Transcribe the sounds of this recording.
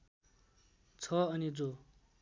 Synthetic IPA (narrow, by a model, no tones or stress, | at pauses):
t͡sʰʌʌnid͡zo